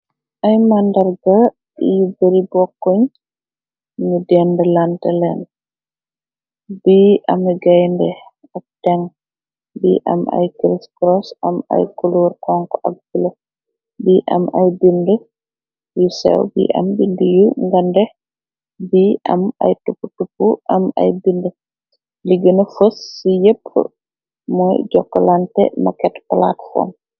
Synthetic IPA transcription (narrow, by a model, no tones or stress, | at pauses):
ʔajmandaɾɡa | ḭjubeɾibɔkːoɲ | ɲudɛndɛlantɛlɛ̰n | biʔa̰mɛɡajndɛ | ak̚tɛŋ | biʔa̰ma̰jkɾiskɾɔsa̰ma̰jkuluɾkɔŋkɔʔak̚bulɔ | biʔa̰majbində | jusɛ̰wbḭʔa̰mbindəjuŋɡandɛ | biʔama̰jtupːutupːuʔama̰jbində | liɡənəfəsːijəpʰːə̰ | mɔjɟɔkːalantɛ̰makɛtpla̰tfɔ̰m